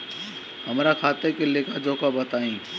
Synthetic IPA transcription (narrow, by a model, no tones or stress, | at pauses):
ɦəmɾakʰaːt̪ekeleːkʰad͡ʒoːkabət̪aːĩː